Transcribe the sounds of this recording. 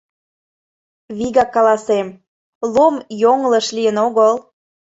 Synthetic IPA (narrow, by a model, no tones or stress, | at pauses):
βiɣɑkːɑlɑsem | lomjoŋləʃliənoɣəl